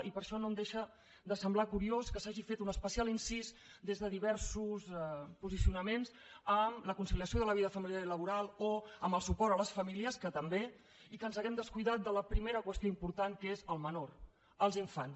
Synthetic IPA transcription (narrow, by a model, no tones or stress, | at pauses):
ʔipəɾʃɔnomd̪eʃə | d̪əsəmblakuɾioskəsaʒifet̪unəspəsialinsizd̪ezðəðiβɛɾsuspuzisiunəmenz | əmləkunsiliəsioðələβiðəəfəmiljaɾiləβ̞uɾalˠoəmbəlˠsupɔɾt̪ələsfəmiliəskət̪əmbe | ikənzəɣɛmd̪əskujðat̪̚d̪ələpɾimeɾəkwəst̪ioimpuɾt̪aŋkezəlˠmənoɾ | əlˠziɱfans